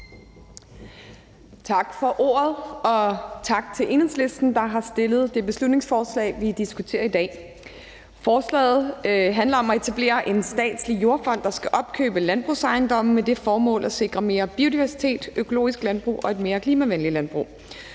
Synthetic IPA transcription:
t͡sʰɑ̈ɡ̥fɒ̽ʔo̝̰ːɐð̞ˠɒ̽t͡sʰɑ̈ɡ̥t͡sʰe̝lʔe̝nesle̝sd̥n̩d̥ɑ̈ɦɑ̈sd̥e̝lð̞̩ˠd̥e̝b̥e̝slud̥ne̝ŋsfɒːslɛ̰ːɪʋid̥isɡ̥ut͡sʰe̝̰ːɐid̥ɛ̰ː | fɒːslɛ̰ːð̞̩ˠɦænlɐɒ̽mɒe̝t͡sʰæb̥le̝̰ːɐʔe̝nsd̥ɛ̰ːd̥slijo̝ɐfɒ̽n̰d̥ɑ̈sɡ̥æʔɒ̽b̥̚kʰø̰ːb̥əlænb̥ʁṵsɑ̈ɪnd̥ɒ̽m̰̩med̥e̝fɒːmɔ̰̽ːlʔæse̝ɡ̥ʁɐme̝ːɐb̥io̝d̥iʋæɐsi̥t͡sʰe̝̰ːd̥økʰolo̝̰ːisɡ̥lænb̥ʁṵːʔɒ̽e̝d̥me̝ːɐkʰliːmæʋenlilænb̥ʁṵː

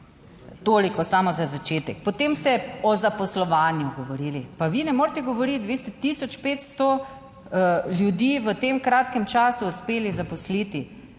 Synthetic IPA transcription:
t̪oːlikɔsamɔzazat͡ʃeːt̪ɛkpɔt̪emst̪ɛɔzapɔslɔʋaːnjuɡɔʋɔɾiːlipaʋinɛmoɾt̪ɛɡɔʋɔɾit̪ʋeːst̪ɛt̪isɔt͡ʃpeːt̪st̪o | ljud̪iːʋət̪emkɾaːt̪kɛmt͡ʃaːsuːspeːlizapɔslit̪i

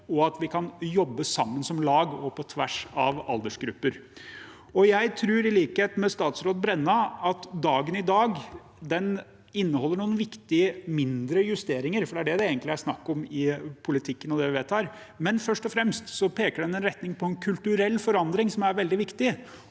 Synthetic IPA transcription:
ɔɑt̪ʋɪkʰɑnjɔbːəsɑmːənsɔmlɑːɡɔpʰɔt̪ʰʋæ̰ʂɑ̰ʋɑ̰ld̪əʂɡɾʉ̰pːəɾ | ɔjæɪt̪ʰɾʉːɾɪliːkheːt̪mɛst̪ɑːt̪sɾoːt̪̚bɾɛnːɑɑt̪d̪ɑːɡənɪd̪ɑːɡ | d̪ɛn | ɪnːəɔlːəɳuːənʋɪkt̪ɪəmɪnd̪ɾəjʉst̪eːɾɪŋəɾfɔɖɛæɖɛd̪ɛeːɡəntlɪæʂnɑkːɔmɪpʰʊlɪt̪ʰɪkːənɔd̪ɛʋɪʋeːt̪ʰɑːɾ | mɛnfœʂʈɔfɾɛmst̪sɔpʰeːkəɖɛnɛnɾɛt̪nɪŋpʰɔɛnkʰʉlt̪ʉɾɛlːfɔɾɑnd̪ɾɪŋsɔmæɾʋɛld̪ɪʋɪkt̪ɪ

